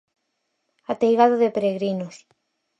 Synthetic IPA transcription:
at̪ejɣaðoðepeɾeɣɾinos

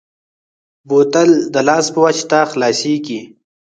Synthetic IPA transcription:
bot̪əld̪əlɑːspəwat͡ʃt̪axlɑːsiki

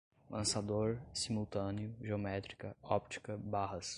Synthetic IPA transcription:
lʔɐ̃sad̪oɾsimuwt̪ɐ̃nɪʊʒeomɛt̪ɾi̥kɐɔp̚t͡ʃi̥kɐbaɦɐs

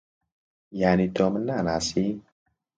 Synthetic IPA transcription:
janit̪ɔmənːanasi

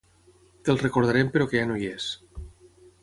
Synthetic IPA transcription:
t̪elˠrekoɾð̞aɾempeɾokeanojes

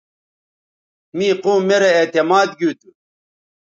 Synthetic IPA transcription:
miːquːmːeɾeet̪emaːd̪ɡut̪u

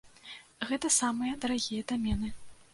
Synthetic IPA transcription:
ɣɛt̪ɐsamɨjɐd̪ɐɾaɣʲijɐd̪amʲɛnɨ

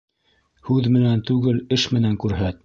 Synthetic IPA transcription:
hʉðmɘ̆nænt̪ʉɡɘlɘʃmɘ̆næŋkʉɾɦæt̪

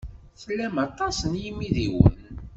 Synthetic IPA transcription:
θəlːæmɑt̪ˤɑsənjimiðiwə̰n

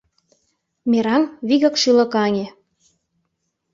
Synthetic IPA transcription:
meɾɑmβiɣɤ̆kʃylɤ̆kɑŋʲe

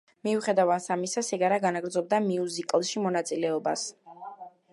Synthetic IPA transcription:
miuχɛd̪avansamisasɛɡaɾaɡanaɡɾd̪zɔb̚d̪amiuzikʼlˠʃimɔnat̪sʼilɛɔbas

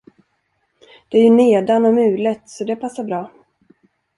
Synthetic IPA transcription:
d̪̥ɛæɾjɵneːd̪anɔmʉ̟ːlət̪sɔd̪ɛpʰasːaɾbɾɑː

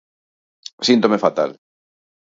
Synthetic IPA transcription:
sint̪omefat̪a̰l

